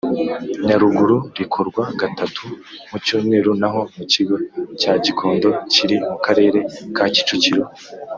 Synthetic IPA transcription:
ɲaɾuɡuɾuɾikʰo̞ɾɡwaɡatʰatʰumucoːŋe̞ɾunaɦo̞muciɡo̞caːɟikʰo̞ːndo̞ciɾimukaɾe̞ːɾe̞kaːci̥t͡ʃuciɾo̞

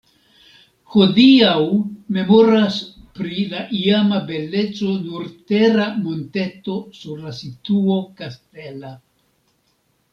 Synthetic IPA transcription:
ho̞diawme̞mo̞ɾas | pɾilaʔiamabe̞le̞t͡so̞nuɾte̞ɾamonte̞to̞suɾlasituo̞kaste̞la

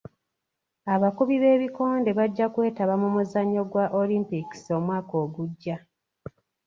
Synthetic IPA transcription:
aβakuβiβe̞ːβiko̞ːnde̞βaɟːakwe̞ːtaβamumuzaɲːo̞ɡwaʔolimpiki̥so̞mwaːko̞ːɡuɟːa

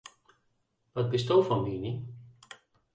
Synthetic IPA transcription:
b̥ʌt̪̚bɪst̪ofɔ̃mmiːni

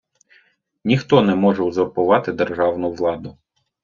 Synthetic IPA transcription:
nʲixt̪ɔnɛmɔʒɛuzɔrpʊʋɑt̪ɪd̪erʒɑwnʊʋlˠɑd̪ʊ

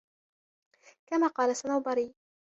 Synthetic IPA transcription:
kamaːqɑːlasanawbɑɾiː

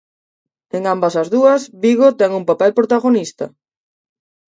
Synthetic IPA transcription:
eŋambɐsɐzðuɐsβiɣot̪ɛŋumpapɛlpɾot̪aɣ̞onist̪ɐ̰

